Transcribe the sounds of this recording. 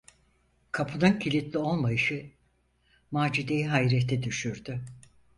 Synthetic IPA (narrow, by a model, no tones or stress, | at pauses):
kʰapʰɯnɯncʰilʲit̪lʲio̞lˠmajɯʃɯ | maːd͡ʒid̪e̞jiɦajɾɛt̪ʰːɛd̪yʃyɾd̪y